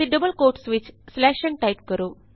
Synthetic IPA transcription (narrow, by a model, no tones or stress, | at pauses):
iɖəbəlkoɾʈsʋit͡ɕslæʃə̃ŋɡ̚ʈajp̚kəɾo